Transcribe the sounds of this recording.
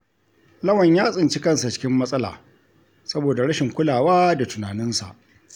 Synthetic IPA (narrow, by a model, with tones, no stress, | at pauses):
lɐ˦wɐ˨ɲjaː˦sʼɪ˨nt͡ʃi˦kɐ˦nsa˨t͡ʃɪ̥˦kʲɪ˦mːɐ˦sʼɐ˦la̰ː˨ | sɐ˦boː˨da˨ɽɐ˦ʃɪ˨ŋkʷʊ˦laː˨waː˦da˨tʊ˨naː˨nɪ˦nsa̰˨ʔ